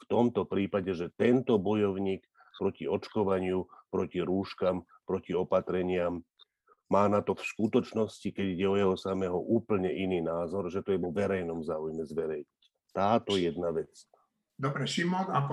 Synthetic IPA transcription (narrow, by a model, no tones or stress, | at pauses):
ft̪ɔmt̪ɔpɾiːpaɟɛʒɛt̪ɛnt̪ɔbɔjɔʊɲiːk | pɾɔciɔt͡ʃkɔʋaɲɪupɾɔciɾuːʃkam | pɾɔciɔpat̪ɾɛɲɪamː | aːnat̪ɔfskut̪ɔt͡ʃnɔscikɛɟiɟɛɔjɛɦɔsamɛɦɔʔuːpl̩ɲɛʔiniːnaːzɔɾʒɛt̪ɔjɛʋɔʋɛɾɛjnɔmzaːujmɛzʋɛɾɛjɲic | t̪aːt̪ɔjɛd̪naʋɛt͡s | d̪ɔbɾɛʃimɔna